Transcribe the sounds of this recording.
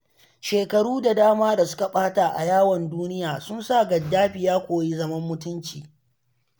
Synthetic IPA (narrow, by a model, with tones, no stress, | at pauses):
ʃeː˨kɐ˨ɽuː˦da˨daː˦maː˦da˨sʊ̥˦ka˨ɓaː˦taː˨ʔa̰˨jaː˦wɔ˨nduː˦nɪ˦jaː˨sʊ˦nsa˦˨ɡɐ˨dːaː˦ɸɪ˨jaː˦kʷoː˨ji˦zɐ˦mɐ˦mːʊ˦tʊ˦nt͡ʃiː˨